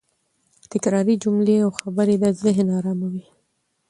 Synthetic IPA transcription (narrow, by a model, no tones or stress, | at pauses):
t̪ɪkɾɑɾid͡ʒumleawxabaɾed̪azɪɦnɑɾɑmawi